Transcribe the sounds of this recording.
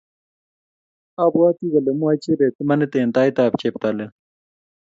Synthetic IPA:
abwaːt̪iɣɐlemuat͡ɕebet̪emɐnet̪ent̪aːjt̪aːp̚t͡ɕep̚t̪ale

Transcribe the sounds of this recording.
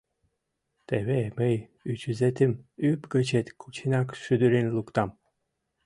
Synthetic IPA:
t̪eβemej | yt͡ɕyzet̪ɘmypɡət͡ɕet̪kʰut͡ɕʰinɑkʃyd̪yɾinlˠukt̪ɑm

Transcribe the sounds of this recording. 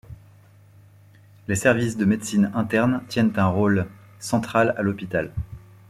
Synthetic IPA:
lesɛʁvisd̪əmed̪sinɛ̃t̪ɛʁnt̪jɛnt̪ɛ̃ʁol | sɑ̃t̪χalalɔpit̪al

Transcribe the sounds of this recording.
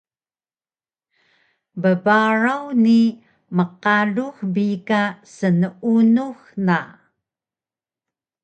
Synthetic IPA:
bəbaɾawni | məqaɮuxbikasənunuxna

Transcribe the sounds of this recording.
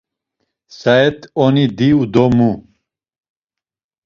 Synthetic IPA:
saɛt̪ʰɔnid̪iud̪ɔmu

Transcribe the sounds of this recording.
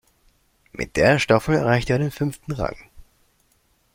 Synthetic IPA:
mʔɪ̰t̚d̥eːɐʃtafl̩ɛɐʁaɪçteːɐɾeːnfʏnftn̩ʁa̰ŋ

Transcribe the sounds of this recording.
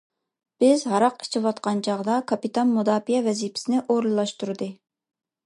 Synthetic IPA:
b̥ɪzɦɑɾɑqi̥t͡ʃʰiwɑt̪qɑnt͡ʃʰɑʁd̪ɑkʰɑpit̪ʰɑnmud̪ɑːpijɛvɛzipʰɪ̥sɪnɪʔoɾlˠlˠɑʃt̪uɾɨd̪ɨ

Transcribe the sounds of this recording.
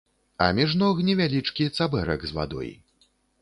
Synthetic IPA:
ɐ̰mʲiʐnɔɣnʲɛvʲalʲit͡ʂkʲit̪sabɛɾɐ̰ɡzva̰d̪ɔ̰j

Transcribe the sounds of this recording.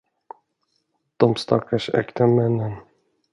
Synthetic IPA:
d̪̥ɔmst̪ʰɑ̰kaʂɛ̰kt̪amɛnən

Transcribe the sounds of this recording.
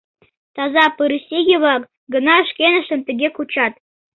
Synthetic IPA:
t̪ɑzɑpɯɾɨsʲiɡʲiβɑk | ɡə̆nɑə̆ʃkʲenə̆ʃə̆mt̪ɘ̆ɡʲekut͡ɕɑt̪̚

